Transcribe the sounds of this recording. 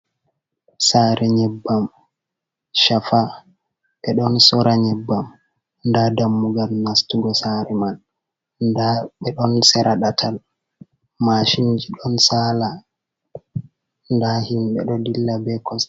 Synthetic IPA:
saːɾʔɛɲɛbːam | ʃafa | ɓɛɗɔnsɔɾaɲɛbːam | ndadamːuɡalnastuɡɔsaɾɛman | daɓɛɗɔnsɛɾʔaɗatʰal | maʃiɲd͡ʒiɗɔnsaːla | ndahimbɛɗɔdilːabɛkɔs

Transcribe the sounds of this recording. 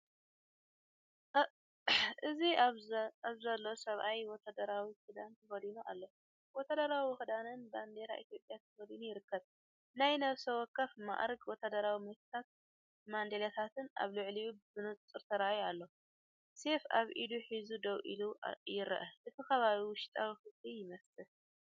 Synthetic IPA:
ʔɨzi | aβzɐlːo̞sɐβʔajwɔt̪ʰːad̪ɐɾawixɨd̪ant̪ʰɐfɐlinuʔa̰lːo̞ | wɔt̪ʰːad̪ɐɾawiwxɨd̪anɨnband̪eɾa̰ʔit̪ʰjo̞pʼjat̪ʰɐ̥fɐlinujɪɾɨkʰːɐβ | najnɐβsɐwɔkʰːɐfma̰ʔɾɡwɔt̪ʰːad̪ɐɾawimet̪ʰt̪ʰat̪̚ | mand̪elɐt̪ʰat̪ʰɨna̰βlʊʕlijubzɨnut͡sʼt͡sʼɨɾt̪ʰɐɾajalːo̞ | se̞faβʔid̪uħizud̪ɐwʔḭlujɪɾɐ̰ʔɐʔɨt̪ʰixɐβaβiwʊʃt̪ʼawixɨzlijɪmɐst̪ʼɨ

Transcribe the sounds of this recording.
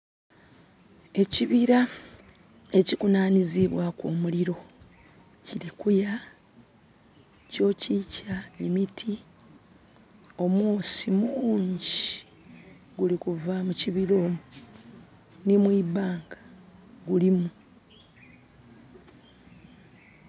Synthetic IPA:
e̞ciβiɾa | e̞cikunaːniziβwakoːmuliɾo̞ | cilikuja | co̞ːcicaemitʰi | o̞mwoːsimuːɲɟi | ɡulikuvamuciβiɾo̞ːmu | nimwibaːŋɡaɡulimu

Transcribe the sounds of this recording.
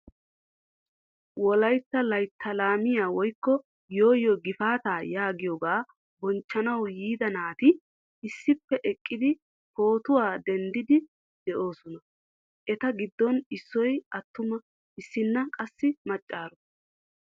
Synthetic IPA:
wɔlɐjt̪ːɐlɐjt̪ʰːɐlaːmɪjaːwɔjkːɔ | jo̞ːjɔɡɪfaːt̪aːjaːɡɪjɔɡaː | bɔnt͡ʃːɐnɐwjiːd̪ɐnaːt̪ɪ | ɪsːɪpːɛʔɛkʼːɪd̪ɪ | po̞ːt̪ʊwaːd̪ɛnd̪ɪd̪ɪ | d̪̥ɛʔo̞ːsɔnɐ | ʔɛt̪ɐɡɪd̪ːɔnɪsːɔjɐt̪ːʊmɐ | ɪsːɪnːɐkʼɐsːɪmɐt͡ʃʼːaːɾɔ

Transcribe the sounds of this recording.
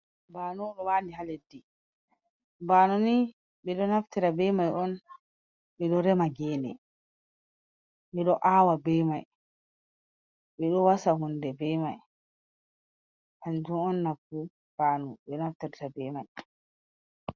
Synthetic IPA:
baːnuɗɔwandiɦaledːi | baːnuni | ɓɛɗɔnaftiɾabɛmajɔn | ɓɛɗɔɾɛmaɡɛːnɛ̰ | ɓɛɗɔʔaːwabɛmaj | ɓɛɗɔwasaɦundɛbɛma̰j | ʔand͡ʒunɔnːabu | b̥aːnṵɓɛnaftiɾtabɛmaj

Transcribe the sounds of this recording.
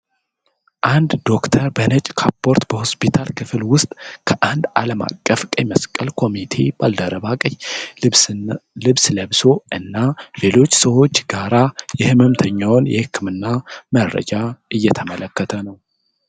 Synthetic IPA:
ʔand̪d̪o̞kt̪ʰəɾbənət͡ʃʼkʰapːo̞ɾt̪bəho̞spit̪ʰalkʰɨfɨlwʊst̪ʼkʰəʔand̪aləma̰kʼːəfkʼəməskʼːəlkʰo̞mit̪ʰe̞b̥ald̪əɾəβakʼəj | lɨβsləβso̞ɨnːale̞lo̞t͡ʃːsəwo̞t͡ʃːɡaɾajɛhɨmɨmt̪ʰəɲːawnjɛ̰hɨkʰːɨmɨnːamərːə̰d͡ʒaʔɨjːɛt̪ʰəmələkːət̪ʰənəw

